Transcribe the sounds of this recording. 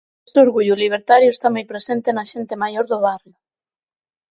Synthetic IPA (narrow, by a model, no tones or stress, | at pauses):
seoɾɣuʎʊliβ̞eɾt̪aɾjʊest̪amojpɾesent̪enaʃent̪emajoɾðʊβarjʊ